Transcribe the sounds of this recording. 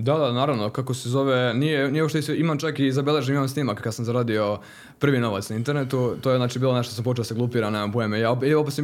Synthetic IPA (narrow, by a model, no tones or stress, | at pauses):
d̪ad̪anaːɾaʋno̞kakosezo̞ʋenijenijoʃt̪eisimamt͡ʃakizabele̞ʒemimamsnimakkːad̪samzaɾaːd̪io̞ | pr̩ʋino̞ʋat̪snaint̪e̞ɾnet̪ut̪ojznaːt͡ʃibiːlone̞ʃt̪os̬ampo̞t͡ʃeoseɡlˠupiɾanemampujemejaopopet̪s